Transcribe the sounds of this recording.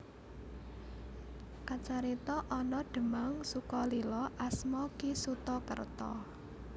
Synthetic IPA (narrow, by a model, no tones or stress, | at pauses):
kat͡ʃaɾit̪ɔʔɔnɔɖ̥ə̤maŋsukɔlilɔʔasmɔkisut̪ɔkə̰rt̪ɔ̰